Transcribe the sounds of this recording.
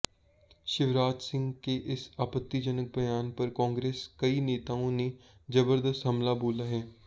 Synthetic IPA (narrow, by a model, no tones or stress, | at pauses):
ʃɪʋɾaːd͡ʒsɪ̃ŋɡkeːʔɪsaːpət̪ːiːd͡ʒənək̚bəjaːnpəɾkãːŋɡɾeːskəiːneːt̪aːõːneːd͡ʒəbəɾd̪əst̪ɦəmlaːboːlaːɦɛː